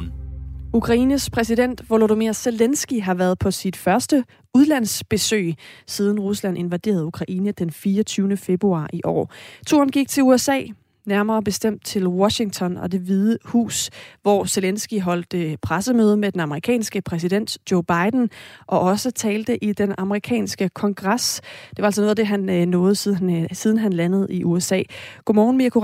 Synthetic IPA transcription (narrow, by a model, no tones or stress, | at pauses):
ukʰʁɑ̈iːnəspʰʁɛs̬iden̰d̥ʋoloɾomiɐselensɡ̥iɦɑ̈ʋæːɐð̩ˠpʰɒ̽sid̥fɶɐsd̥ə | uð̞ˠlæn̰sb̥e̝sø̰ːsiːð̞ˠn̩ʁuslæn̰ʔe̝nʋæd̥e̝̰ɐð̞̩ˠukʰʁɑ̈ʔiːnəd̥enfiːɒt͡sʰyːʊnəfe̝b̥ʁuɑ̰̈ːʔiʔɒ̰ːt͡sʰṵɐn̩ɡ̥iɡ̥̚t͡sʰe̝luesɛ̰ː | næɐmɐːb̥e̝sd̥em̰d̥̚t͡sʰe̝lwɒ̽ɕiŋt͡sʰɒ̽nɒ̽d̥e̝ʋiðˠəhṵːsʋɒse̝lensɡ̥iɦɒ̽l̰d̥əpʰʁasəmøːð̞ˠəmed̥enɑ̈məʁikʰɛ̰ːnsɡ̥əpʰʁɛs̬id̥en̰d̥jo̝ʊb̥ɑ̈ɪd̥n̩ʔɒ̽ʔɒ̽sət͡sʰɛːld̥əʔid̥enɑ̈məʁikʰɛ̰ːnsɡ̥əkʰɒ̽ŋɡ̥ʁɑsd̥e̝ʋɑ̈ælsɒnoːðˠæd̥e̝ɦænnɔ̽ːð̞̩ˠsið̞ˠn̩ɦænlænəð̞̩ˠiʔuesɛ̰ːɡ̥omɒːnmiɐkʰo